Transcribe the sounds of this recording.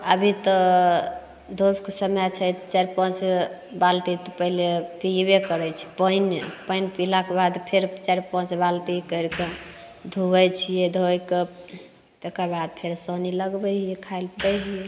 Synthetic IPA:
əbʱit̪ə | d̪ʱobkesəmjat͡ʃʰɛt̪t͡ʃɛɾpə̃t͡ʃbalʈit̪ɔpəɦilepibekəɾɛt͡ʃʰi̥pəjnpəjnpilakebad̪pʰeɾt͡ʃɛɾpə̃t͡ʃbalʈikəɾke | d̪ʱubəjt͡ʃʰijed̪ʱojke | t̪ekəɾbad̪̚pʰeɾsəniləɡbəɦjekʰajlt̪əɦije

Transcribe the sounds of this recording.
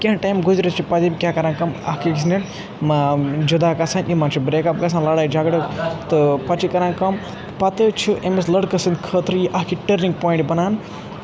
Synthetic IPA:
kʲeʈajmɡuzɾɐt͡ʃʰipɐd͡ʒibʲikʲakɐɾãnkɐmɐ̰hkikʲis̬nin | md͡ʒud̪aːkɐsʰɐnʲimɐnt͡ʃʰibɾeːkɐp̚ɡɐs̬ʰãnlɐɽaːjd͡ʒɐɡɽɨt̪ɨpɐt͡ʃikɐɾãnkɐm | pɐt̪ɨt͡ʃʰiʔemeslɐɽkɐsɨnd̪kʰəːt̪ɾɨjiʔɐɦkiʈəɾniŋɡpoːĩɳʈbɐnaːn

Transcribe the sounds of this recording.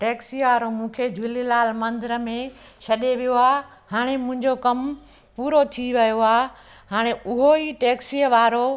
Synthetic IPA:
ʈeːksijʋaːɾomũːkʰed͡ʑʊlilaːlmɐ̃nd̪ɪɾəmẽʃʰɐɗeʋijoaː | haːɽ̃emʊ̃ɦɪ̃ɲd͡ʑokɐm | puːɾot̪ʰiʋɐjoaː | haːɽ̃eʊɦoiʈeːksiːəʋaːɾo

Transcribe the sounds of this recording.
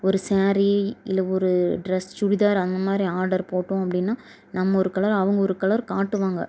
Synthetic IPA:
ɔɾɯsaːɾiɪlɐɔɾɯɖɾɛst͡ʃʊɾɪðaːɾɐnd̪ɐmaːd̪ɾiaːɾɖɐɾpoːʈːõːɐpːɐɽɪnːaː | nɐmːɐɔɾɯkɐɭɐɾɐʋɐŋɡɐɔɾɯkɐɭɐɾkaːʈːɯʋaːŋɡɐ̰

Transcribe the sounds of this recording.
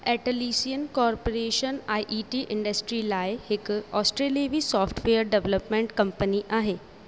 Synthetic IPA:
ɛʈəliːsijənkɔːɾpoɾeːʃənaːjʔiːʈiʔɪ̃ɳɖəsʈɾilaːjhɪkɔːsʈɾeːlieʋisɔːfʈʰʋejəɾɖeʋləpmẽɳʈkɐmpəniʔaːɦeː

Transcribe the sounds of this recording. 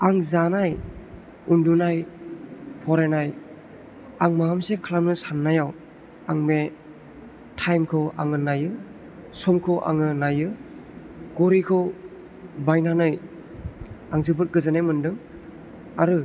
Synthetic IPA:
aŋzanaj | undunaj | pʰɔɾenaj | aŋmaamsekʰalamnɯsanːajaw | aŋme | tʰajmkʰɯwa̰ŋɯnajɯ | sɔmkʰɔwʔa̰ŋɯnajɯ | ɡ̥ɔɾikʰɯw | bajnanɯj | aŋzɯbɯt̚ɡɯzanajmɯndɯŋ | aɾɯ

